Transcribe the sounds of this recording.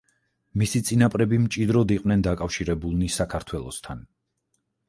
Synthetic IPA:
misit̪sʼinapʼɾɛbimt͡ʃʼid̪ɾɔd̪iqʼwnɛnd̪akʼafʃiɾɛbulˠnisakʰaɾt̪ʰwɛlˠɔ̰st̪ʰan

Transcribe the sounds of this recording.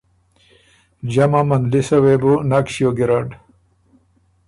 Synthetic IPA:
d͡ʑɐmamɐnd̪lisɐwebunakɕijoɡiɾaɖ

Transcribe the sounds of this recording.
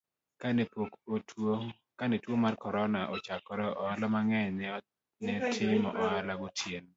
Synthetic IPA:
kanɛpokotʰwo | kanɛtwomarkɔɾɔnaʔɔt͡ʃakɔɾɛʔɔalɔmaŋɛnɛ | nɛtʰɪmɔʔɔalaɡɔtʰjen

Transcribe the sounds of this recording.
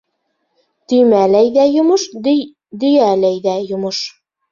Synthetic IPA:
t̪ɵ̆jmælæjðæjŏmɤʃ | d̪ɵ̆jælæjðæjŏmɤʃ

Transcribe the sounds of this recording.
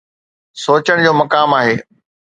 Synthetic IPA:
soːt͡ɕəɽ̃d͡ʑoːmɐkaːmaːɦeː

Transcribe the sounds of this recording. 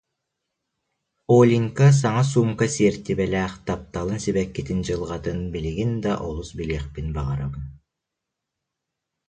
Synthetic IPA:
olʲiŋkas̬ɑŋɑs̬umkasʲeɾt̪ːibɛlʲæχt̪ɑp̚t̪ɑlˠɯnsiβekːit̪ind͡ʒɯlˠʁɑt̪ɯnbiliɡind̪ɑʔolˠusbilʲeχpinbɑʁɑɾɑβɯn

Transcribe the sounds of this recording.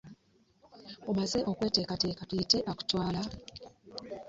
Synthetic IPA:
omaze̞ʔo̞kwe̞ːte̞ːkate̞ːkatujite̞ʔaku̥twaːla

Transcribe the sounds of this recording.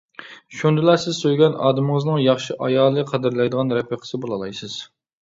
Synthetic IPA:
ʃund̪ɪlæsɪzsøjɡʲɛnɑ̰ːd̪ɪmɪŋəznɨŋjɑχʃiʔɑjɑːlˠɨqʰɑd̪ɨɾlɛjd̪əʁɑnɾɛpiqʰə̥sɨbolˠɑlˠɑjsɨz̥

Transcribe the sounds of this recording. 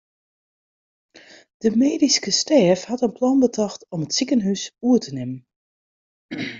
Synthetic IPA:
d̥əmeːdiskəstɛːfhɑtənplɑnbətʰɑxtɔmətsikənɦysuətʰənɪmən

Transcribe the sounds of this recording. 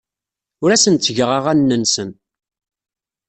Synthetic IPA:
ʊɾæsənt̪t͡sːəʝəʁaʁænːənsən

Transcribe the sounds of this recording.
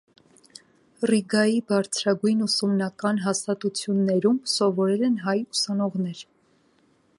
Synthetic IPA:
riɡɑjibɑɾt͡sʰɾɑɡujnusumnɑkɑnɦɑst̪ɑt̪ut͡sʰjunːɛɾumsɔvɔɾɛlɛnɦɑjusɑnɔʁnɛɾ

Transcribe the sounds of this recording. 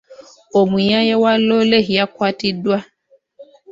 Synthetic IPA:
omujajɛwalɔleɦiakwatidwa

